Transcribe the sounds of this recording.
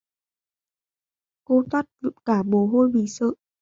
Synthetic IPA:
ko˨˦t̪ʰwa˦˥t̚vkaː˧˩ɓo˨˩˦ɦo˧jɓḭ˧˨sə̰ː˧˨

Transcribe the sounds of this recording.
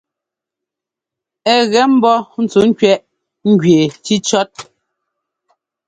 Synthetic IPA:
ɛ˦ɣɛ˦m̩˦bɔ˦n̩˨t͡su˨˦ŋ˦kɥɛ˦ʔ | ŋ̩˦ɡɥe˨t͡ʃi˦t͡ʃɔ˦t̚

